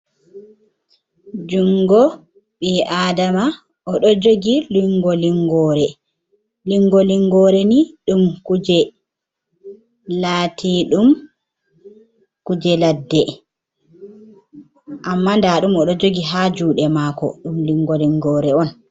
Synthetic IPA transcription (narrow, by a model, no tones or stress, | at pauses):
d͡ʒuŋɡɔ | ɓiʔadama | ʔɔɗɔd͡ʒoɡiliŋɡɔliŋɡɔːɾɛ | liŋɡɔliŋɡɔːɾɛniɗumkud͡ʒɛ | laːtʰiɗum | kud͡ʒɛladːɛ | ʔamːandaɗumɔɗɔd͡ʒoɡiɦad͡ʒuːɗɛmaːkɔ̰ɗumliŋɡɔliŋɡɔɾɛɔn